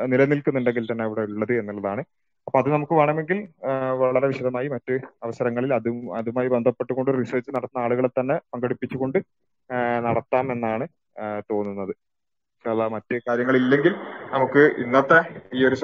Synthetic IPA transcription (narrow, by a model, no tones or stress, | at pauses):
nilɐnilkunːuɳɖeŋɡilt̪ɐnːeɐʋiɽe̞uɭːɐðɨe̞nːulːɐðaːɳɨ | ɐpːoːɐðɨnɐmukːɨʋaːɳame̞ŋɡilʋɐɭɐɾeʋiɕɐðɐmaːjimɐtːɨɐʋɐsɐɾɐŋːɐɭilɐðuɐðumaːjibe̞nd̪ʱɐpːe̞ʈːuɣo̞ɳɖɨriseːrt͡ɕːɨnɐɽɐt̪ːnːɐaːɭuɣɐɭelt̪ɐnːe̞pɐŋɡɐɽipːit͡ɕːuɣo̞ɳɖɨ | nɐɽɐt̪ːaːme̞nːaːɳɨ | t̪o̞ːnːunːɐðɨ | lamɐtːɨkaːɾjɐŋːɐɭilːe̞ŋɡilnɐmukːɨʔḭnːɐt̪ːeiːo̞ɾus